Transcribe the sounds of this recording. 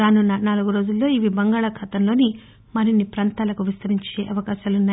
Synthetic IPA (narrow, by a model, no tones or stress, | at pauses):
ɾaːnunːɐnaːluɡuɾo̞ːd͡ʒulːo̞ːiʋibɐŋɡaːɭɐkʰɐːt̪ɐmlo̞ːni | mɐɾinːipɾɐnt̪aːlɐkuʋist̪ɐɾiɲt͡ʃe̞ːʔɐʋɐkaːʃaːlunːaː